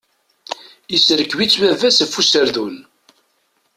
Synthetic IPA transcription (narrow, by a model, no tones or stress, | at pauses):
isɾəkːwit͡sːwævæsəfːusəɾðun